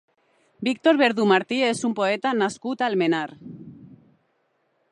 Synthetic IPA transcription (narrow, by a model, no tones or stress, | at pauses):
bikt̪oɾβeɾðumaɾt̪iesumpoet̪anaskut̪almenaɾ